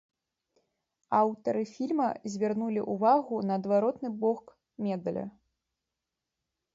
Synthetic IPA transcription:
awt̪ɐɾɨfʲilʲmɐzʲvʲarnulʲiʔuvaɣunɐːd̪vaɾɔt̪nɨbɔk | mʲɛd̪ɐlʲɐ̰

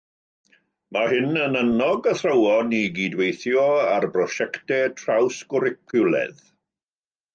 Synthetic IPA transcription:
mahɪnənənɔɡəθrəwɔniɡidwejθjɔarbrɔʃɛktɛtʰrawsɡ̥ʊɾɪkʰʊlˠɛ̰ð

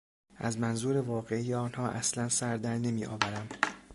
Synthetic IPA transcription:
ʔæzmænzuːɾevɒːɣe̞iːjeɒːnhɒːʔæslænsæɾd̪æɾne̞miːʔɒ̰ːvæɾæm

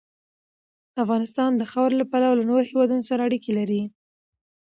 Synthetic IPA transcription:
afɣɑnɪst̪ɑnd̪əxawɾlapalawlanoɾohewɑd̪unosaɾaːɽikelaɾi

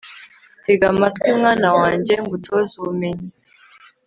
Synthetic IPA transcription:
teɡamatkwimŋaːnawaːɲɟe̞ŋɡutʰozuumeɲi

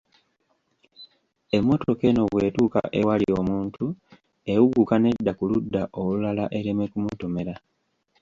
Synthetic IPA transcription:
e̞mːo̞toke̞no̞βwe̞ːtuːka̰ʔe̞walio̞muːntʰu | e̞wuɡukane̞dːakuludːaʔo̞lulalaʔe̞ɾeme̞kumuto̞me̞ɾa

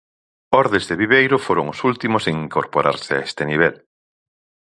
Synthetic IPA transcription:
ɔɾðezðeβiβ̞ejɾʊfoɾoŋʊsult̪imoseŋiŋkoɾpoɾʔaɾseaest̪eniβ̞ɛl

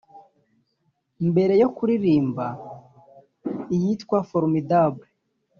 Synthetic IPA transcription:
imbe̞ɾe̞jo̞kuɾiɾiːmba | ijitkwafoɾmidabe

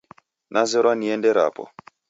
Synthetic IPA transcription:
nʔazɛɾwaniɛndɛɾa̰ːpɔ̰

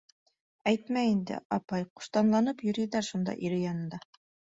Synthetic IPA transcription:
æjt̪mæind̪ɘ̰ʔɑpɑjqŭ̥ʃt̪ɑnlˠɑnɤpjɵ̆ɾid̪æɾʃund̪ɑ̰ʔiɾɘjɑnɤ̆nd̪ɑ

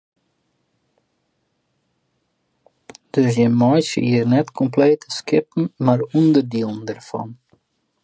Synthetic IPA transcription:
d̥øsjəmɔjsiiərnɛtkʰɔmpleːtʰə̥skɪpn̩marundərdilˠən̩dərfɔ̰n

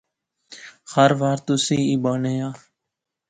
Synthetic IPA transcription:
həɾʋaːɾt̪ʊsiːiːɓaːneːaː

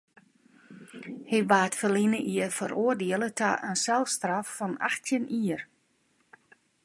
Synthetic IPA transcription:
hebaːtfəlinəʔiəfə̰ɾʔoərdiəlˠətʰa̰ʔənsɛlˠfstrafːɔna̰xtʰjəniər

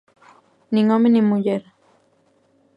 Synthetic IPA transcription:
niŋomenimujeɾ

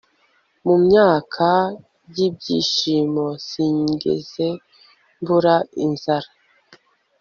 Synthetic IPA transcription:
mumɲaːkʰa | jib̚ɟḭːʃiːmosiɲɡḛze̞ | mbuɾainz̥aɾa

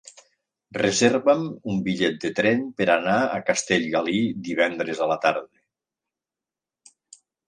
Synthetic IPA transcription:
rezeɾβəmumbiʎɛt̪̚d̪ət̪ɾɛnpəɾanaə̰kast̪eʎɣalid̪iβ̞ɛnd̪ɾezəlat̪aɾðe

